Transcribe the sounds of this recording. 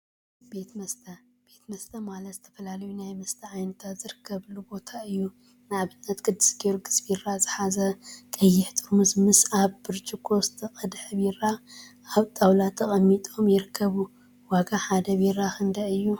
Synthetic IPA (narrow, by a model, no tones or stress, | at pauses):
b̥e̞t̪mɐst̪ʰɐ | b̥e̞t̪mɐst̪ʰɐmalɐt̪zɨt̪ʰɐ̥fɐlalɐjunajmɐst̪ʰɐʕajnɐt̪ʰat̪zɨɾɨkʰːɐβlubo̞t̪ʰaɨjːu | nɨaβɨnːɐt̪kʰɨd̪ːɨsɡioɾɡɨsbiɾazɨħazɐkʼɐjːɪħt̪ʼɨɾmɨzmɨsaβbɨɾt͡ʃʼukʰo̞st̪ʰɨkʼɐd̪ħɨβiɾaʔaβt̪ʼawlat̪ʰɐkʼɐmːit̪ʼo̞mjɪɾɨkʰːɐβu | waɡaħad̪ɐβiɾakʰɨnd̪aɨjːu